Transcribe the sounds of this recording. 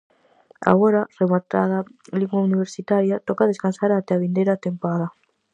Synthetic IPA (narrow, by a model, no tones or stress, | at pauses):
a̰ɣoɾaremat̪a̰ðaliŋɡwauniβeɾsit̪aɾjat̪okaðeskansaɾat̪ɛaβind̪eɾat̪empaða